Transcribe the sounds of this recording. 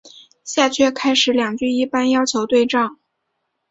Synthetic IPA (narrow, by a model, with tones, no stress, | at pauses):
ɕja˥˧t͡ɕʰɥɛ˥˩kʰa˥ɪʂɻ̩˨˧˥ljɑ˨˩ŋt͡ɕy˥˧i˥˩pa˥njɑ˥ʊt͡ɕʰjo˧˥ʊt̪we˥˧ɪʈ͡ʂɑ˥˩ŋ